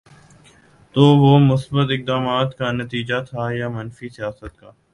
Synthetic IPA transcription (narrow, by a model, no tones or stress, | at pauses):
t̪oːʋoːmʊsbət̪ɪk̚d̪aːmaːt̪kanɐt̪iːd͡ʒat̪ʰajamɐnfisijaːsət̪̚kaː